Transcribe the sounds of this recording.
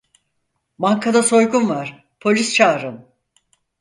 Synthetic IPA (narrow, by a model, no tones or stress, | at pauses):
maŋkʰad̪aso̞jɡunvaɾ̥ | pʰo̞lʲist͡ʃʰaːɾɯm